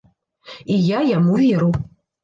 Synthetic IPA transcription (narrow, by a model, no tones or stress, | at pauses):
ijajamuvʲeɾu